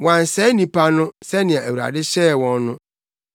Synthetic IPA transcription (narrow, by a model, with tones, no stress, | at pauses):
wã˨n˨sɛ˦nĩ˨pʰa˦nʊ̃˦sɛ˦nɪ̃˨ã˨æ˨wu˨ɾa̰˨dɪ˦ɕɛː˦˨wɔ̃˦nːʊ̃˦